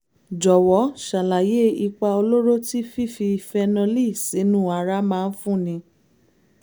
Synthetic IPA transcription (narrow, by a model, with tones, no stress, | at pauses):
d͡ʒɔ˨wɔ˨˦ʃa˨la˨je˦i˧k͡pa˧o˧lo˦ɾo˦ti˦fi˦fi˧fɛ˧naɔ̃˧li˦˨si˨˦nũ˦˨a˧ɾa˦mãː˦˧n̩˦fũ˦˨nĩ˧